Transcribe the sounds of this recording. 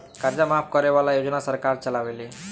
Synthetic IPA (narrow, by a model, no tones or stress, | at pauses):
kaɾd͡ʒamap̚ʰkɔɾeʋalajod͡ʒnasəɾkaɾt͡ʃəlaʋeli